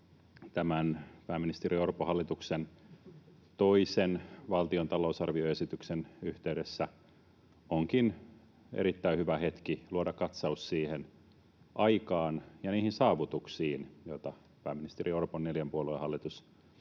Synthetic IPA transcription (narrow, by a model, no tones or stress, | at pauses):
t̪æmænpæːmːinist̪eriorpohɑlːit̪uksen | t̪oisenʋɑlt̪iont̪ɑlousɑrʋioesit̪yksenyht̪eyɾesːæ | oŋkin | ḛɾit̪ːæihyʋæhet̪kiluodɑkkɑt̪sɑussiːhen | ʔɑikɑːnjɑniːhinsɑːʋut̪uksiːnjoit̪ɑ | pæːmːinist̪eːriorponneljæmpuoluehɑlːit̪us